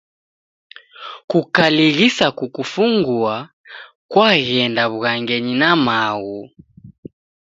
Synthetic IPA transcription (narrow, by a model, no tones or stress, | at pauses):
kukaliɣisakukufuŋɡua | kwaɣɛndaβuɣaŋɡɛɲinamaɣu